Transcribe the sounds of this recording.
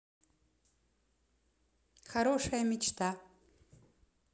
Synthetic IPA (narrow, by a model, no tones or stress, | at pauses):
xaɾo̞ʂɐjamit͡ʃʰt̪ʰa